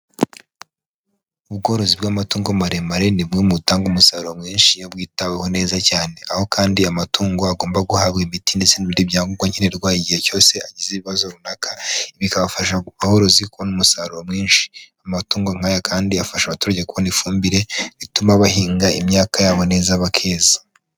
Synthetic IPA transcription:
uβɡo̞ːɾo̞zibɡaːmatuːŋɡomaɾemaɾe̞nibwimutaːŋɡumusaɾuɾo̞mŋiːnʃijobɡiːtaweho̞ne̞ːzacaːne̞ʔaho̞kaːndiamatuːŋɡoaɡoːmbaɡuhaβɡemitindet͡seniβiɾibjaːŋɡuɡwaɲhineɾɡwaːiɟiheco̞ːse̞aɟiziβiβazoɾunakʰḁβikaβafaʃaβaho̞ɾo̞zikuβonumusaɾuɾo̞mŋiːnʃi̥amatuːŋɡoŋ̥hajakʰaːndiafaʃaβatuːɾaɟekuβonifuːmbiɾe̞βitumaβahiːŋɡaimɲaːkajaːβo̞ne̞ːzaβakʰe̞ːzḁ

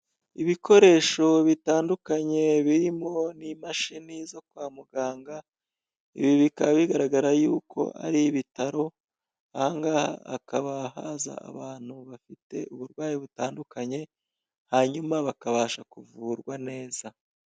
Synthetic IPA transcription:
iβiko̞ɾe̞ːʃo̞βitaːndukaɲe̞βiɾimo̞nimaʃinizo̞kwaːmuɡaːŋɡa | ḭβiβikaβaβiɡaɾaɡaɾajuːkʰo̞̰ʔa̰ɾiβitaɾo̞ | haːŋɡaa̰a̰kaβahaza̰a̰βaːn̥huβafite̞uβuɾɡwaːjiβutaːndukaɲe̞ | haɲumaβakaβaːʃakuvuːɾɡwane̞ːz̥a

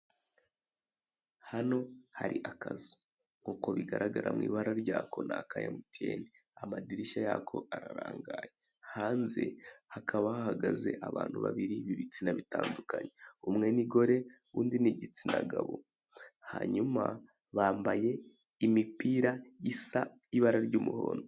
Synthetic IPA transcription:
hano̞haɾiʔakazu̥ | ŋ̥uːko̞βiɡaɾʔaɡaɾʔamŋḭːβaɾaɾɟaːkʰo̞nakaja̰mutieːni | amadiɾiʃajaːkʰo̞aɾaɾaːŋɡaːje | haːnze̞̰hakʰaβahahaɡaze̞̰ʔaβaːn̥huβaβiɾiβiβit͡sinaβitaːndukaɲeumŋe̞niɡo̞ɾe̞ | uːndiniɟit͡sinaɡaβo̞̰ | haɲuma | βaːmbaje̞ | imipiːɾaisa | iβaɾaɾɟuːmuho̰ːndo

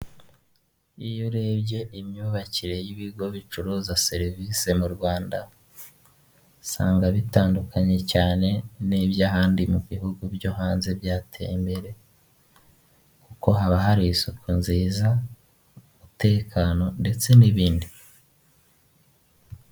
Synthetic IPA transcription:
ijoɾe̞ːβje̞ʔimɲuːβaciɾe̞jiβiɡo̞βit͡ʃuɾuzaseɾviːse̞muɾɡwaːnda | sa̰ːŋɡaβitaːndukaɲe̞caːne̞niβjaɦaːndimuβihuɡubjoɦaːnze̞bjaːtʰḛimbe̞ɾe̞ | kuko̞ɦaβaɦaɾiisokʰunziːza | umute̞ːkano̞nde̞t͡se̞niβiːndi

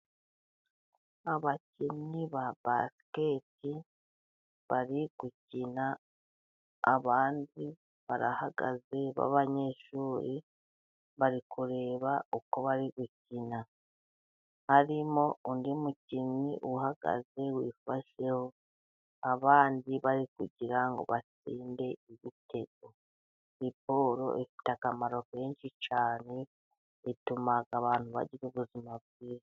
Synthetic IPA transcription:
aβaciniβaba̰sketi | βaɾiɡ̥ucina | βaːndi | βaɾahaɡa̰ze̞βa̰βaɲeːʃuːɾi | βaɾikuɾe̞ːβauko̞βaɾiɡucina | haɾimo̞undimucinḭʔuhaɡ̥a̰ze̞wiːfaʃe̞ho̞ | aβaːndiβaɾikuɟiɾaŋɡo̞̰βat͡siːnde̞iβite̞ɡo̞ | ipo̞ːɾo̞̰ʔifi̥takamaɾo̞ke̞ːnʃit͡ʃaːne̞ | itumaɡaβaːn̥huβa̰ɟiɾuβuzimab̚ɡiːza

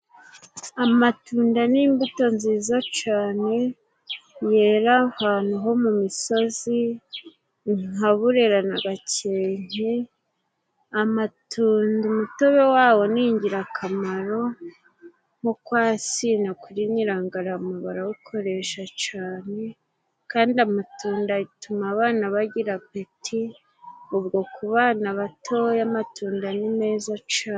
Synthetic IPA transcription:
amatuːndaniːmbuto̞nziːzat͡ʃaːne̞ | jeːɾahaːn̥uɦo̞mumiso̞zi | ŋaβuɾeɾanaɡaceːɲ̥e | amatʰuːndumutoβewaːwo̞niːɲɟiɾakʰamaɾo̞ | mukwaːsinakuɾiɲiɾaːŋɡaɾaumuβaɾawukʰo̞ɾe̞ʃat͡ʃaːne̞ | kaːndiamatuːndaitumaːβaːnaβaɟiɾap̚etʰi | ubɡo̞kuβaːnaβatʰo̞jamatuːndanime̞ːzat͡ʃaː

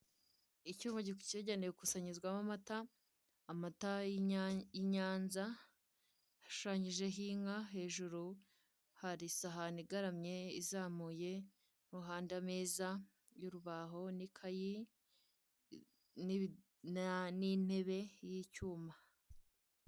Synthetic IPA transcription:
icuːmaɟiku̥ceɟanejokusaɲizɡwamamataː | mata | jiɲaːnza | haʃu̥ʃaːɲiʒe̞ɦiːŋaɦe̞ːʒuɾu | haɾisaɦaniɡaɾamɲe̞izaːmuːje̞ | n̥huɦaːndameːza | juɾuβaːɦo̞nikʰaji | n | nin̥he̞βe̞jicuːma

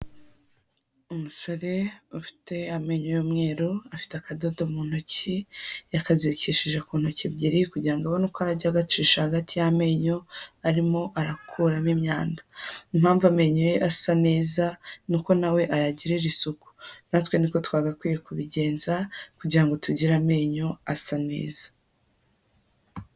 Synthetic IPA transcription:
umusoɾe̞ufi̥te̞ame̞ɲojomŋe̞ːɾoafi̥teakadodomuːn̥hucijakaziciʃiʒekuːn̥hucibɟiɾikuɟiɾaŋɡawonukoaɾaɟaɡat͡ʃiːʃahaɡatijame̞ɲo̞aɾimo̞ʔaɾakʰuːɾamimɲaːndaimhaːɱvuame̞ːɲojeʔasane̞ːzanuko̞nawe̞ʔajaɟiɾeɾisuku̥natwe̞niko̞twaːɡakwiːjekuβiɟe̞ːnzakuɟiɾaŋɡo̞tuɟiɾame̞ːɲo̞asane̞̰ːz̥ḁ

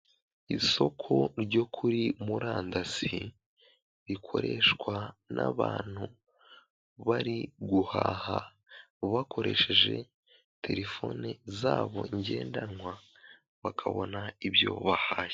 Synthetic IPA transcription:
iso̞kʰo̞ɾɟo̞kʰuɾimuɾaːndasi | βikʰo̞̰ɾe̞ʃkwanʔa̰βaːn̥hu | βaɾiɡuhaːha | βakʰo̞ɾe̞̰ʃe̞ʒe̞̰ | tʰe̞ɾe̞fo̞nezaːβo̞iɲɟe̞ːndanŋwa | βakʰaβonaibjo̞̰βahaːj

